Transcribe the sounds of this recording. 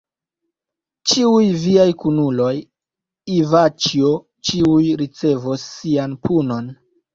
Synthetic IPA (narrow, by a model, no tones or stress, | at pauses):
t͡ʃiujviajkunulo̞j | ivat͡ʃio | t͡ʃiujɾit͡se̞vosːianpʰuno̞n